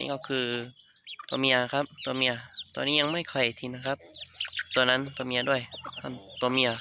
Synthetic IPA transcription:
ḭː˧˥˩kɔ˧˥˩kʰɯː˧ | t̪ɔ˧mi˧˥ɐ˧kʰa˦˥p̚t̪u˧ɐmi˧ɐ˧t̪ɔ̰ː˧nːiː˦˥ɲa˧ŋma˥˩jkʰɔ˧˩jt̪ʰiː˧na˧˥kʰa˦˥p̚t̪u˧ɐna˦˥nt̪ɔː˧mi˧ɐ˧du˥˩əjhʰa˧˥˩nt̪u˧mi˧ɐ˧

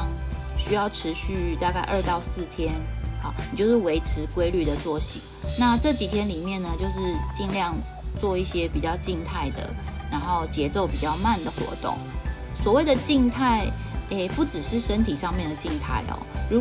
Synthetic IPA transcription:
ŋ | ɕy˥jɑ˥˩ʊʈ͡ʂʰɻ̩˧˥ɕy˥˧t̪a˥˧ka˥˧ɪʔə˞˥˧t̪ɑ˥˧ʊsɹ̩˥˩t̪ʰjɛ˦na˨˩˨t͡ɕjo˥˧ʊʂɻ̩˥˩we˧˥ɪʈ͡ʂʰɻ̩˧˥kwe˥ɪly˥˩d̪ə˩t͡swɔ˥˩ɕḭ˨˩˦na˥˧ʈ͡ʂɤ˥˩t͡ɕi˨˩t̪ʰjɛ˧˥nli˨˩mjɛ˥˩nːə˩t͡ɕjo˥˧ʊʂɻ̩˥˧t͡ɕi˥˧ŋljɑ˥˧ŋ | t͡swɔ˥˧i˥˩ɕjɛ˥pi˨˩t͡ɕjɑ˥˧ʊt͡ɕi˥˧ŋt̪ʰa˥˩ɪd̪ə̰˩ɻa˧˥nxo˥˩ʊt͡ɕjɛ˧˥t͡so˥˩ʊpi˨˩t͡ɕjɑ˥˧ʊma˥˨nd̪ə˩xwɔ̰˧˥t̪ʊ̰˥˩ŋ | swɔ˨˩we˥˩ɪd̪ə˨˩t͡ɕi˥˧ŋt̪ʰa˥˩ɪe˥˩pu˥˩ʈ͡ʂɻ̩˨˩ʂɻ̩˥˩ʂə˦˥nt̪ʰi˨˩ʂɑ˥˧ŋmjɛ˥˩nd̪ə˩t͡ɕi˥˧ŋt̪ʰa̰˥˩ɪɐ̰˩ɻu˧˥

